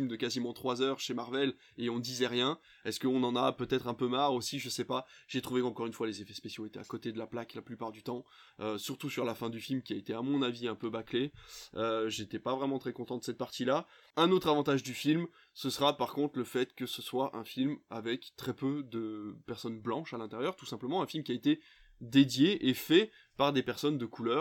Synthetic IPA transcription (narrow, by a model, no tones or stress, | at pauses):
md̪əkazimɑ̃t̪χwazœʁʃemaʁvɛl | eɔ̃əd̪izɛʁjɛ̃ | ɛskəɔ̃nɑ̃napøt̪ɛt̪χɛ̃pømaʁosiʒəsɛpaʒ̥et̪χuvekɑ̃kɔʁynfwalezefɛspesjoet̪ɛa̰kɔt̪ed̪əlaplaklaplypaʁd̪yt̪ɑ̃ | øsyʁt̪usyʁlafɛ̃d̪yfilmkʲiaet̪eamɔ̃naviɛ̃pøbakleøʒet̪ɛpavʁɛmɑ̃t̪χɛkɔ̃t̪ɑ̃d̪əsɛt̪̚paʁt̪ila | ɛ̃not̪χavɑ̃t̪aʒd̪yfilm | səsəʁapaʁkɔ̃t̪χləfɛt̪kəsəswaʔɛ̃filmavɛkt̪χɛpød̪əpɛʁsɔnblɑ̃ʃalɛ̃t̪eʁjœʁt̪u̥sɛ̃pləmɑ̃ɛ̃filmkʲiaet̪e | d̪ed̪jeʔefɛ | paʁd̪epɛʁsɔnd̪əkʰulœːʁ